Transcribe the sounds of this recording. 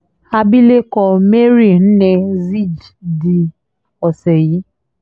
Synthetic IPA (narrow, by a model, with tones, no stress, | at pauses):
a˦bi˦le˦kɔ˧me˦ɾi˦˨n̩˦ne˦zi˦˨d͡ʒdi˨ | ɔ˨sɛ˨ji˨˦